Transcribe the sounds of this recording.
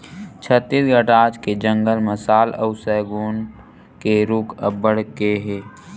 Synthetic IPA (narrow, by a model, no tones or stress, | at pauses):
t͡ʃʰət̪ːiːsɡʱəʈaːt͡ʃked͡ʒə̃ŋɡəlməsaːlə̰ʊsəɡoːn | keɾukʰəbəɽ̤keɦɛː